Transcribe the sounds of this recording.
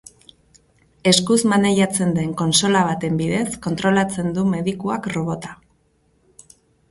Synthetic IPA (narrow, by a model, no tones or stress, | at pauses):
e̞skuzmane̞ʝat͡se̞nd̪e̞ŋko̞nso̞laβ̞at̪e̞mbiðe̞sko̞nt̪ɾo̞lat͡se̞nd̪ume̞ðikuakro̞β̞o̞t̪ḁ